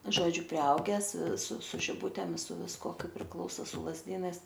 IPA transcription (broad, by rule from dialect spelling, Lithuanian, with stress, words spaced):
ˈʒoːd͡ʒʲʊ pʲrʲɪˈɐʊɡʲæːs sʊ sʊ ʒʲɪˈbʊtʲeːm sʊ ʋʲɪsˈkuɔ ˈkɐɪp pʲrʲɪkˈlˠɐʊsoː sʊ lˠɐzʲˈdʲiːnɐɪs